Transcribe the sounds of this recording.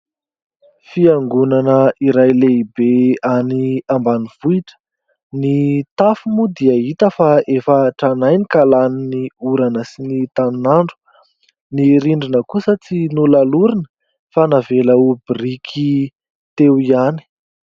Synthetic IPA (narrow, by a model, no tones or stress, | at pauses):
fiaŋɡunanəiɾajleibeaniambaniv̥uiʈ͡ʂə̥ | nit̪afumud̪iəit̪əfaefəʈ͡ʂanajnikalaniniuɾanəsinit̪aninaɳɖ͡ʐu̥ | niɾiɳɖ͡ʐinəkusət͡sinulaluɾinə̥ | fanaveləubirikʰi | t̪ewiani̥